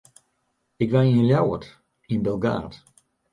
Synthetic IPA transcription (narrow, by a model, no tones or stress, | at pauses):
ɪkʋaiənljawət | inbɛlˠɡa̰ːt